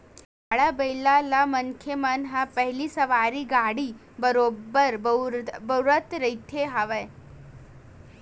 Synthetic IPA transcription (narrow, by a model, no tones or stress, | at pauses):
aɭabəjlalaməŋkʰemənɦapəɦliːsəʋaɾiːɡaɽiː | bəɾobːəɾbəwɾət̪ɾəjt̪ʰeɦaʋəj